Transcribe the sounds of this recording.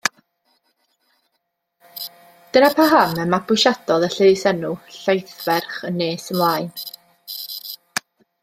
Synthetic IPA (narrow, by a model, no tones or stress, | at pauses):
d̥ənapʰaɦaməmabʊʃad̥ɔðˠəɬeðsɛnʊɬejθvɛrχənːeːsəmlˠaːɨn